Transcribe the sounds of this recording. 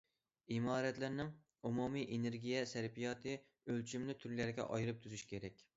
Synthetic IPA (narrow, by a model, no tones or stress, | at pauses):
imɑːɾɛt̪læɾnɪŋ | umumiʔeneɾɡʲijɛsæɾpʰijɑːt̪ʰɨ | ølt͡ʃʰimlɪt̪ʰyɾlæɾɡʲɛ̰ʔɑ̰jɾɨp̚t̪ʰuzyʃi̥kʲʰeɾɛkʲ